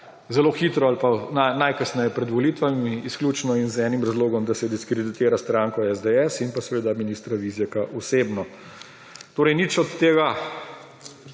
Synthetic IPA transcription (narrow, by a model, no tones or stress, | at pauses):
zɛloːxiːt̪ɾɔalpananajkəsnɛjɛpɾɛd̪ʋɔliːt̪ʋamiisklʲjuːt͡ʃnɔinzɛːnimɾazloːɡɔmd̪asɛd̪iskɾɛd̪it̪eːɾast̪ɾaːŋkɔɛzd̪ɛɛsinpasɛʋeːd̪aminiːst̪ɾaʋizjɛkaʔuseːbnɔ | t̪oːɾɛjnit͡ʃɔt̪ːeːɡa